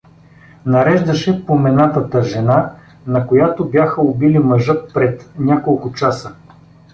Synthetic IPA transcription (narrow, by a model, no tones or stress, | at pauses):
nɐɾɛʒd̪ɐʃɛpomɛnat̪ət̪əʒɛna | nɐkojat̪obʲjaxəʊbilimɐʒɤt̪pɾɛt̪nʲakolˠkʊt͡ʃasə